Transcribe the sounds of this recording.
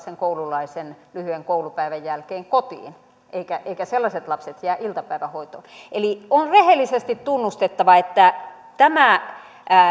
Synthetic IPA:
seŋkoululɑisenlyhyeŋkoulupæiʋæjjælkeːŋkot̪ḭːn | ʔeikæʔeikæselːɑset̪lɑpset̪jæːʔilt̪ɑpæiʋæhoit̪o̰ːnʔelionrehelːˑisest̪it̪t̪unːust̪et̪ːɑʋɑet̪ːæ | t̪æmæ

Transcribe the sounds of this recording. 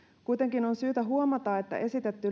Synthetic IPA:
kujt̪e̞ŋkino̞nsyːt̪æɦuomɑt̪ɑːe̞t̪ːæ̰ʔe̞sit̪et̪ːy

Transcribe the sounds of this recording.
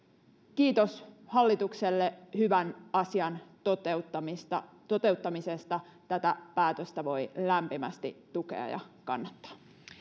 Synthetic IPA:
kiːt̪oshɑlːit̪ukselːehyʋænɑsiɑnt̪ot̪et̪ːɑmist̪ɑ | t̪o̞t̪e̞ut̪ːɑmisest̪ɑ | t̪æt̪æpæːt̪øst̪æʋo̞jlæmpimæst̪ḭt̪ukḛɑ̰jɑ̰kɑ̰nːɑt̪ːɑ̥

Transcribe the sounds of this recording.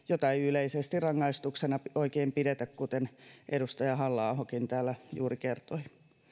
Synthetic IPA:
jot̪ɑiyleisest̪irrɑŋːɑist̪uksenɑoikeːmpiɾet̪ækkut̪enʔeɾust̪ɑjɑɦɑlːɑːhokint̪æːlːæjṵːrikert̪oi

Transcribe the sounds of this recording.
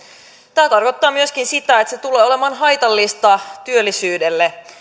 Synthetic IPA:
t̪æːt̪ɑrko̞t̪ːɑːmyøsk̟insit̪æet̪set̪ule̞ːole̞mɑːnɦɑjt̪ɑlːist̪ɑt̪yølːisyːdelːe

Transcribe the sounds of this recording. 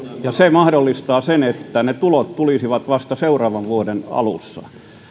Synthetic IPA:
jɑsemɑhdolːist̪ɑːsenet̪ːænet̪ulot̪t̪ulisiʋɑt̪ʋɑst̪ɑseurɑːʋɑʋʋuodenɑ̰lṵsːɑ̰

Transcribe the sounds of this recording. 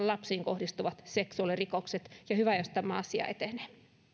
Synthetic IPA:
llɑpsiːŋkohdist̪uʋɑt̪seksuɑlirikokset̪jɑhyʋæjost̪ɑmːɑ̰ːɑsiɑ̰et̪eneː

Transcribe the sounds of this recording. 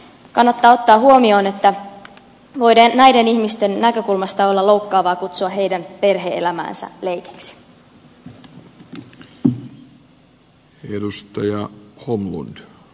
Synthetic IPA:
kɑnːɑt̪ːɑːo̞t̪ːɑːɦuomio̞ːne̞t̪ːæ | ʋo̞jdeːæjde̞niçmist̪e̞nːækø̞kulmɑst̪ɑo̞lːɑlo̞wkːɑːʋɑːkut̪suɑɦejdænpe̞rɦeʔelæmæ̰ːnsæ̰le̞jke̥ksi̥ | edust̪ɑjɑhomlṵnd̥

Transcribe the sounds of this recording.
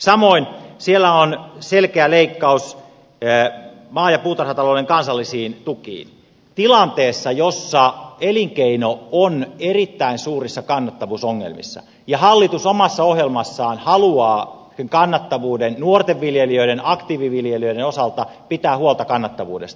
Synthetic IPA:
sɑmoinsielːæonselkeæleikːɑus | mɑːjɑpuːt̪ɑrhɑt̪ɑloːdeŋkɑnsɑlːisiːnt̪ukḭːn | t̪ilɑnt̪eːsːɑjosːɑeliŋkeinoonerit̪ːæinsuːrisːɑkɑnːɑt̪ːɑʋuːsoŋːḛlmḭsːɑ̰ | jɑhɑlːit̪usomɑsːɑohjelmɑsːɑːnhɑluɑː | eŋkɑnːɑt̪ːɑʋuːdennuort̪eʋːiljeliøiɾenɑkt̪iːʋiʋiljeliøiɾeno̞sɑlt̪ɑpit̪æːhuolˠt̪ɑkɑnːɑt̪ːɑʋṵːde̞̰st̪ɑ

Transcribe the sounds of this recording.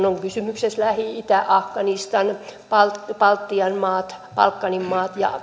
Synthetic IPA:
noŋkysymykseslæhiit̪æʔɑfkɑnist̪ɑnpɑlt̪pɑlt̪ːiɑnmɑːt̪pɑ̰lkːɑnimmɑːt̪jɑ̰

